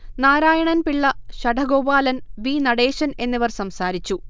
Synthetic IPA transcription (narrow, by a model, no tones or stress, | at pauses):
naːɾaːjɐɳɐnpiɭːɐɕɐɖʱɐɡoːbaːlɐnʋiːnɐɽeːɕɐne̞nːɐʋɐrsɐmsaːɾit͡ɕːu